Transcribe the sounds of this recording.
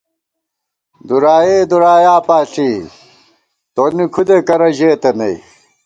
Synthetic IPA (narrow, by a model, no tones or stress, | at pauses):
d̪uɾaːjeːd̪uɾaːjaːpaːɬiː | t̪onikʰud̪ekɐɾɐʑeːt̪ɐnɐi